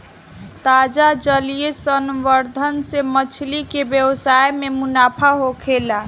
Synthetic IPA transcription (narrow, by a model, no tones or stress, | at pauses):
t̪ad͡ʒad͡ʒəlijesənʋəɾd̪ʱənsemət͡ʃʰlikebjəwsajmemunapʰaɦokʰela